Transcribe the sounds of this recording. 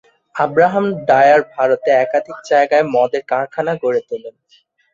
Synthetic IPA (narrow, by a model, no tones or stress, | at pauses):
abɾaɦamɖajaɾbʱaɾot̪eɛkad̪ʱik̚d͡ʑaeɡaemɔd̪eɾkaɾkʰanaɡoɾet̪ulen